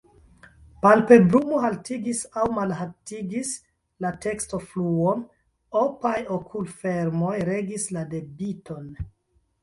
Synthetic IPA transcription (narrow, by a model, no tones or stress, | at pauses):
palpe̞bɾumoɦaltiɡisawmalɦatiɡis | late̞ksto̞fluon | opajokʰulfe̞ɾmo̞jɾe̞ɡislade̞bitʰo̞n